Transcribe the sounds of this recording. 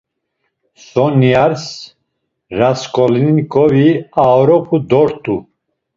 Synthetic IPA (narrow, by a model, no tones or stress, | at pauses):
sɔniaɾs | ɾaskʼɔlinikʼɔviaɔɾɔpʰud̪ɔɾt̪ʼu